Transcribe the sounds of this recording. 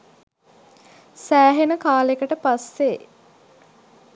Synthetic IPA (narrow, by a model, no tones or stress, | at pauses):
sæːɦenəkaːlekəʈəpasːe